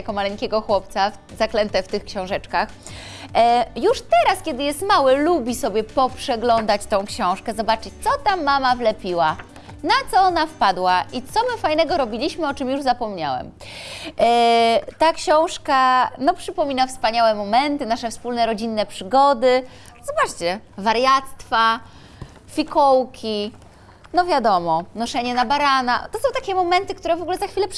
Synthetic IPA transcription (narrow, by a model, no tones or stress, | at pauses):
jakɔmalɛŋkʲɛɡɔxwɔp̚t̪saf | zaklɛnt̪ɛft̪ɘxkɕɔ̃w̃ʐɛt͡ʂkax | juʂt̪ɛɾaskʲɛd̪ɘjɛst̪mawɘlubʲisɔbʲjɛpɔpʂɛɡlɔnd̪at͡ɕt̪ɔ̃w̃kɕɔ̃w̃ʂkɛzɔbat͡ʂɘt͡ɕt̪sɔt̪amːamavlɛpʲiwa | nat̪sɔɔnafpad̪waʔit̪sɔmɘfajnɛɡɔɾɔbʲilʲiɕmɘɔt͡ʂɘmjuʐzapɔmɲa̰wɛ̰m | t̪akɕɔ̃w̃ʂkanɔpʂɘpɔmʲinafspaɲawɛmɔmɛnt̪ɘnaʂɛfspulnɛɾɔd͡ʑinːɛpʂɘɡɔd̪ɘ | z̥ɔbat͡ʂt͡ɕɛvaɾjat̪st̪fa | fʲikɔwkʲi | nɔvʲjad̪ɔmɔnɔʂɛɲɛnabaɾanat̪ɔsɔ̃w̃t̪akʲɛmɔmɛnt̪ɘkt̪uɾɛvɔɡulɛzaxfʲilɛp